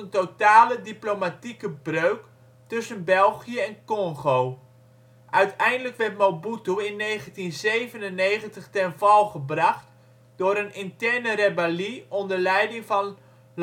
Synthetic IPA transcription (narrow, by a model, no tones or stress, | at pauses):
əntotaːlədiplomatikəbrøɥk | tɵsənbɛlˠχijəɛnkɔŋχow | ʔœɥtɛjndələkʋɛrtmowbutuɪnːejχəntinzejvənənːejχəntəχtɛnvɑlˠχəbrɑχt | d̥ʊɾənɪntɛrnərebɛliɔndəɹlɛjdɪŋvɑn | l